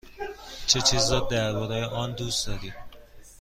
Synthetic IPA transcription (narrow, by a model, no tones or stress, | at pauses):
t͡ʃʰet͡ʃʰizɒːd̪̚d̪æɾbɒːɾejeʔɒːnd̪uːsd̪̥ɒːɾi